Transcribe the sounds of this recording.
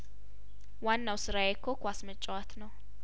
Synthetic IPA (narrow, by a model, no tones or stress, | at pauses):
wanːawsɨɾajekʰːokwasmət͡ʃʼːwat̪nəw